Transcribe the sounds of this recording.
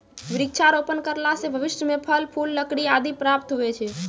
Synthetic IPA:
ʋɪɾɪkt͡ʃʰaɾopənkəɾlasebʱəʋɪʃʈəmepʰəlpʰulːəkɽiad̪ipɾap̚t̪ɦuet͡ʃʰe

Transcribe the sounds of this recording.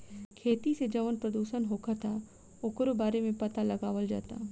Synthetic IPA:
kʰeːt̪ised͡ʒɐʋənpɾɐd̪uːʃənɦoːkʰat̪ʰa | okɾobaːɾemẽpɐt̪alɐɡaːʋəld͡ʒa̰ːt̪a̰ː

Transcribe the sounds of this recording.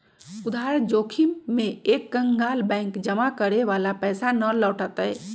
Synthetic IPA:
ud̪ʱaɾd͡ʒoːkʰimːẽekːəŋɡalbɛ̃ɪ̃kd͡ʒəmakəɾeʋalapɛsanəlɔːʈət̪ɛɛ

